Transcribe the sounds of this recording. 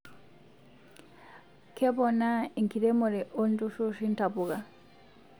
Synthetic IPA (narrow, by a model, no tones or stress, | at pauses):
kʰɛbɔnaiŋkidɛmɔɾɛʔondusosintabuɡa